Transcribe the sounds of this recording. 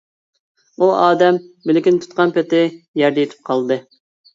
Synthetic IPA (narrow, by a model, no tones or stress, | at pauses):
uɑːd̪ɛmbɪlɪkʲint̪ʰu̥t̪̚qɑnpɪt̪ɪjɛɾd̪ɛjet̪ʰɪ̥p̚qʰɑlˠd̪ɨ